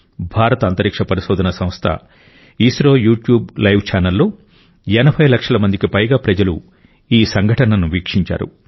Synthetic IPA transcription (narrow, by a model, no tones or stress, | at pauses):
bʱaːɾɐt̪ɐɐnt̪ɐɾikʂɐpɐɾiʃɔːd̪ʱɐnɐsɐ̃mst̪ʰɐ̰ | iːsɾoːjuːʈjuːblɐjʋt͡ʃaːnɐlːoː | ɛnɐbʱɐjlɐkʂɐlɐmɐnd̪ikipɐjɡaːpɾɐd͡ʒɐlu | iːsɐŋɡʱɐʈɐnɐnuʋiːkʂiɲt͡ʃa̰ːɾṵ